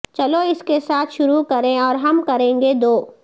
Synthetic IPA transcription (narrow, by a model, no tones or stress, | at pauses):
t͡ʃɐloɪskesaːt̪ʰʃʊɾukɐɾẽɔːɾɦɐmkɐɾẽːŋɡed̪oː